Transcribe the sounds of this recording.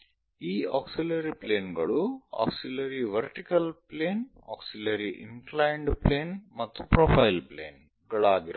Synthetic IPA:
iːaːksilɐɾipleːnɡɐɭua̰ːksilɐɾiʋɐɾʈikɐlpleːn | a̰ːksilɐɾiʔiŋklajɳɖpleːnmɐt̪ːupɾoːpʰɐjlplḛːn | ɡɐɭaːɡiɾa

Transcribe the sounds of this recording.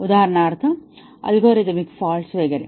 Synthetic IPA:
ud̪aːɐɾɐnaːɾt̪ʰɐ | ɐ̰lɡoːɾed̪ɐmikfaːlsʋeːɡɐɾe

